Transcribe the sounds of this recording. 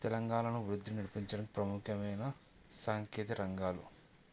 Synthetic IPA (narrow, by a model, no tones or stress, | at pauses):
t̪ɛlɐŋɡaːnɐnuʋɾud̪ːiniɽipiɲt͡ʃɐɽɐmi̥pɾɐmukʰɐmɐjnɐ | saːŋkeːt̪ɐɾɐŋɡaːlṵ